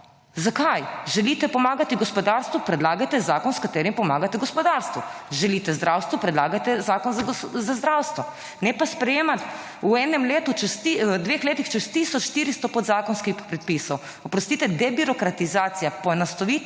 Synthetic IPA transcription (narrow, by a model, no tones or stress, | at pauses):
zakajʒɛliːt̪ɛpɔmaːɡat̪iɡɔspɔd̪aɾst̪ʋupɾɛd̪laːɡajt̪ɛzaːkɔnskat̪eːɾimpɔmaːɡat̪ɛɡɔspɔd̪aɾst̪ʋuʒɛlit̪ɛzd̪ɾʔawst̪ʋupɾɛd̪laːɡat̪ɛzaːkɔnzazazd̪ɾawst̪ʋɔ | nɛpaspɾɛjeːmat̪ | uɛːnɛmleːt̪ut͡ʃɛst̪id̪ʋeːxleːt̪ixt͡ʃɛst̪iːsɔt͡ʃːt̪iɾist̪ɔpɔd̪zaːkɔnskixpɾɛt̪̚piːsɔw | ɔpɾɔst̪it̪ɛd̪ɛbiɾɔkɾat̪izaːt̪sijapɔnast̪ɔʋit̪